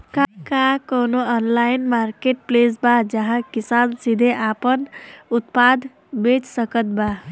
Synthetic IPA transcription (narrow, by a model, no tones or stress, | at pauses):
kakakonoɔnlajinmaɾkeʈ̚plesbad͡ʒəɦãkisaːnsid̪ʱeʔapənʊt̪pad̪ʱ | bet͡ʃsəkət̪̚ba